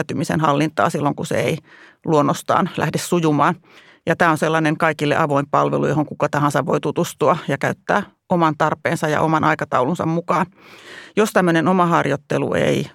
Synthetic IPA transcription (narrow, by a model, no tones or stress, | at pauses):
t̪ymisḛnhɑlːint̪ɑ̰ːsilːoŋkusḛeiluonːost̪ɑ̰ːnlæ̰hdessujumɑːn | jɑt̪æːonselːɑneŋkɑikilːḛʔɑʋoimpɑlʋelujohoŋkukɑt̪ɑhɑnsɑʋʋoit̪ut̪ust̪uɑjɑkæyt̪ːæ̰ː | omɑnt̪ɑrpˑeːnsɑjɑ̰ʔomɑnʔɑikɑt̪ɑulunsɑ̰mmukɑːnjost̪æmːønenomɑhɑrjot̪ːelṵḛi